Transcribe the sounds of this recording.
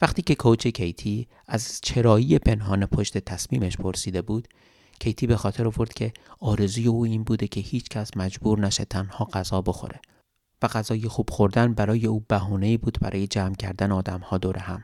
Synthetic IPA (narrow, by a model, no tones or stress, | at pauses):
væχt̪ʰiːce̞kʰot͡ʃʰe̞cʰejt̪ʰiː | æzt͡ʃʰe̞ɾɒːjije̞pʰe̞nɦɒːnepʰoʃt̪e̞t̪ʰæsmḭːmeʃpʰo̞ɾsiːd̪e̞buːd̪̥ | cʰe̞jt̪ʰiːbe̞xɒːt̪ʰe̞ɾovo̞ɾd̪̥cʰe̞ɒːɾe̞zuːje̞uːiːnbuːd̪e̞cʲʰe̞hiːt͡ʃʰcʰʲæsmæd͡ʒbuːɾnæʃet̪ʰænhɒːɢ̥æzɒːbo̞xo̞̰ɾe̞ | væɣæzɒːjexuːb̥xo̞ɾd̪ænbæɾɒːje̞uːbæɦuːne̞iːbuːd̪bæ̰ɾɒːje̞d͡ʒæːmcʰæ̰ɾd̪æneɒːd̪æmhɒːd̪oːɾehæm